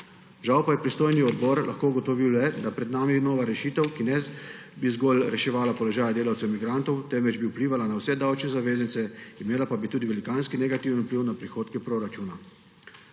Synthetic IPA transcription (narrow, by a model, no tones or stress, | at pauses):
ʒawpajɛpɾist̪oːjniɔd̪bɔɾlʔa̰xkoːuɡɔt̪ɔʋiwlɛd̪apɾɛd̪naːminoːʋaɾɛʃiːt̪ɛwkinɛ | bizɡɔlɾɛʃɛʋaːlapɔlɔʒaːjad̪eːlawt̪sɛwmiɡɾant̪ɔwt̪ɛmʋɛd͡ʒbiwpliːʋalanawsɛd̪awt͡ʃnɛzaʋeːznit̪sɛimeːlapabit̪uːd̪iʋɛlikaːnskinɛɡat̪iːwənupliwnapɾixoːt̪kɛpɾoɾat͡ʃuːna